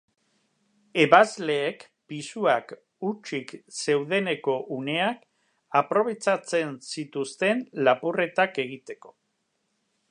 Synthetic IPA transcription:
e̞βazle̞ːk | pisuak | ut͡ʃikse̞wðe̞ne̞ko̞ʔune̞ak | apɾo̞β̞e̞t͡ʃat͡se̞nsit̪ust̪e̞nlapure̞t̪ake̞ɣ̞it̪e̞ko̞̥

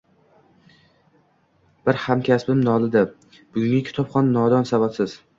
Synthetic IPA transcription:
b̥ɪɾhamkʲʰasbɪmnɒlɪd̪a | b̥ʊɡʲʊŋʲakʲʰɪ̥t̪ʰɒpχɒnːɒd̪ɒnsavat̪sɪz̥

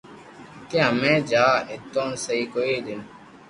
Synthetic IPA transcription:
keɦəmẽːd͡ʒaːɪt̪õːnsəiːkoːiːd̪ɪn

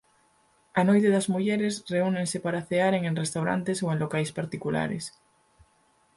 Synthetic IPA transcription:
anojt̪eðazmuʝeɾesreuneŋsepaɾaθeaɾeŋeŋrest̪awɾa̰nt̪esoenlokajspaɾt̪ikula̰ɾḛs

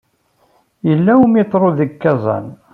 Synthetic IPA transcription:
jəlːæmet̪ˤːɾˤoðəkːɑzˤɑ̰n

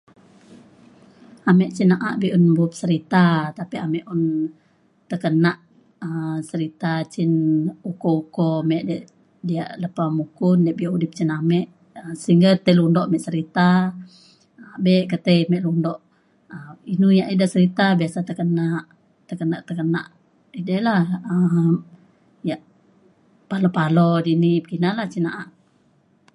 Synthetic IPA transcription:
amɛʔt͡ʃinaʔaʔbiʔunbup̚səɾit̪at̪apiamɛʔun | t̪əkənaʔ | əsəɾit̪at͡ʃinukoukomɛʔdɛʔ | diaʔləpamukʊndɛʔbiaʔudɪp̚t͡ʃinamɛʔ | əsəiŋɡat̪əlundɔʔamɛʔsəɾit̪a | abɛʔkət̪əmɛʔlundɔʔ | əinujaʔidaʔsəɾit̪abiasat̪əkənaʔ | t̪əkənaʔt̪əkəna̰ʔ | idəlahə | jaʔ | palopalɔdinibkinalaht͡ʃinaʔaʔ

